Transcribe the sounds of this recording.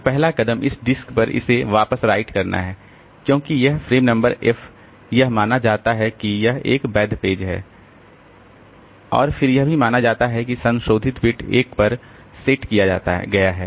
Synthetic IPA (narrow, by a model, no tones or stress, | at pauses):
pɛɦlakɐd̪əmʔɪsɖɪskpɐɾɪ̰seʋaːpəsɾaːɪʈkɐɾnʔa̰ɦɛː | kjõːkijɐɦfɾeːmnɐ̃mbəɾɛf | jɐɦmaːnad͡ʒaːt̪aɦɛkijɐɦḛːkbɛːd̪peːd͡ʒɦɛ̰ː | ɔ̰ːɾfɪɾjɐɦbʱimaːnad͡ʒaːt̪aɦɛkisɐ̃nʃoːd̪ʱɪt̪pɪʈḛːkpɐɾ | seːʈkijad͡ʒa̰ːt̪a̰ɦɡɐjaɦɛ̰ː